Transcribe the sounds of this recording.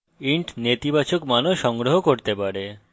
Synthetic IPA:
iɳʈnet̪ibat͡ɕokmanoʃɔŋɡɾoɦokoɾt̪epaɾe

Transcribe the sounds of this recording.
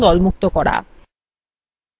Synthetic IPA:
d̪ɔlmuk̚t̪okɔɽa̰

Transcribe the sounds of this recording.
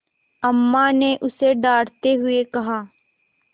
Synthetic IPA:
ɐmːaneʔʊseɖaːɽt̪eɦʊekɐɦaː

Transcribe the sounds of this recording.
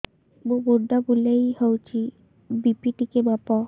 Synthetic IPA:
bobuɖabulejhəwt͡ʃʰi | bipiʈikebapɔ

